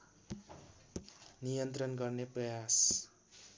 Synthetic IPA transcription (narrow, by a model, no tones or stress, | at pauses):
nijʌnt̪rʌnɡʌrneprʌjas